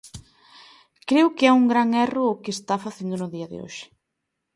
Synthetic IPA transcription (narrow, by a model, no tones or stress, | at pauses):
kɾewkɪauŋɡɾaŋɛrʊːkɪest̪afaθend̪ʊnʊðiɐðɪ̰o̰ʃɪ̥